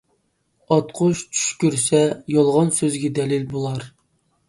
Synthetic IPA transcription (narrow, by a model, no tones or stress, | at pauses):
ɑt̪qʰʊʃt͡ʃʰy̥ʃkʲyɾsɛjɑlˠʁɑnsøzɡʲɛd̪ɛlilbolˠɑɾ